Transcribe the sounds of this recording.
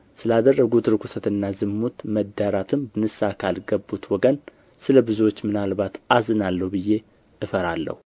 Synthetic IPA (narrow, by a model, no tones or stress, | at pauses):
sɨlad̪ərːəɡut̪ɾɨkʷʰusət̪ɨnːazɨmːut̪məd̪ːaɾat̪ʰɨmbɨnɨsakʰalɡəbːut̪wɔɡən | sɨləbɨzuwo̞t͡ʃːmɨnalbat̪azɨnalːəhubɨjːe̞ | ʔɨfəɾalːə̰hu